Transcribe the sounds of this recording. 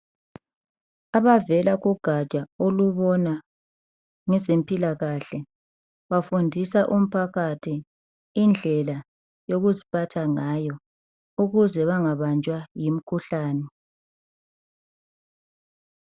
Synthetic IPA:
aβavɛlaɣuɡ̥ʱat͡ʃʼaoluβɔna | ŋɛzempʼilaɣaɬɛ | βafundʱisaʔum̩pʰaɣatʰi | ind͡ɮʱɛla | joɣuzipʰatʰaŋaːjɔ | uɣuzɛβaŋaβant͡ʃʼwajim̩kʰuɬaːnɛ

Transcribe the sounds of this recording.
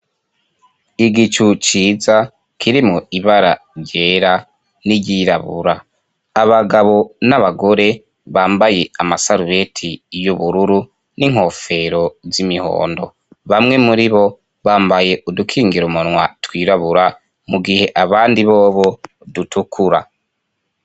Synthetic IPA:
iɡit͡ʃut͡ʃiːza | kʰiɾimŋoiβaɾa | ɾɟe̞ːɾa | niɟiːɾaβṵɾaː | βaɡaβo̞naβaɡo̞ɾe̞ | βaːmbajeamasaɾuβe̞tʰijuβuɾuɾu | niŋ̥ho̞fe̞ɾo̞zimiho̞̰ːndo̞̰ | βamŋe̞muɾiβo̞ | βaːmbaje̞ʔudukʰiːŋɡiɾumunwatwiːɾaβuɾa | muɡihe̞ʔaβaːndiβoːβo̞ | dutukʰuɾa

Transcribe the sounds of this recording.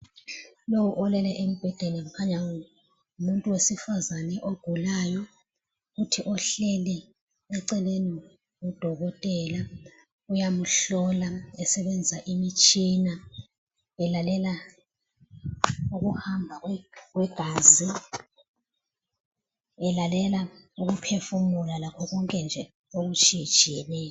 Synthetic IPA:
lowuʔɔlɛlɛʔem̩b̥ʱɛd̥ʱenɛmkʰaɲa | umuntʼuwesifazanɛʔoɡ̥ʱulaːjɔ | utʰiʔɔɬɛlɛ | ɛǀɛleni | ud̥ʱɔɣɔtʼɛːla | ujamuɬɔlaɛsɛɓɛnd͡zʱaʔimit͡ʃʼina | ɛlalɛla | uɣuhambʱaɣɛk̬wɛɡ̥ʱaːzi | ɛlalɛlauɣ̬upʰefumulalakʰɔɣɔŋkʼɛnd͡ʒʱɛ | oɣut͡ʃʰʼid̥ʒ̥ʱiɛlɛɔ

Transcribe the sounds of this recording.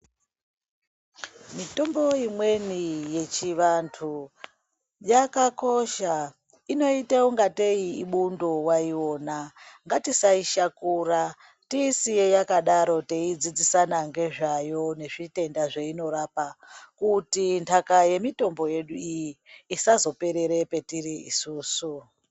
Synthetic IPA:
mito̞mbo̞imwe̞nije̞t͡ʃiʋantʰu | jakako̞ʃa | ino̞itewoŋɡate̞iːɓundowaiwo̞ːnaŋɡatisaiʃakuɾa | tisijejakaɗaɾo̞teid͡zid͡zisanaŋɡe̞ʐajo̞ne̞ʐite̞ndaʐeino̞ɾapakutintʰakaje̞mito̞mbo̞je̞ɗuijiːsazo̞pe̞ɾe̞ɾe̞pe̞tiriḭsuːsu

